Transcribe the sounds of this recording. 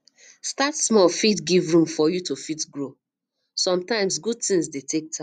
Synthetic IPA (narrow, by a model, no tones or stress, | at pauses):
statsmɔlfitɡivɹũmfɔjutufitɡɹo | sɔ̃mtãɪ̃msɡud̚tĩŋsdetʰek̚tʰã